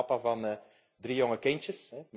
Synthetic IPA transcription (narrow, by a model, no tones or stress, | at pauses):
ɑpavɑnː | drijoŋəkɪnt͡ʃəsɦɛm